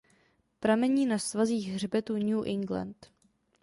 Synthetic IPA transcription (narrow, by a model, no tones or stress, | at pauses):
pɾamɛɲiːnasvaziːɣɦr̝bɛt̪uɲuːʔɪŋɡla̰nt̪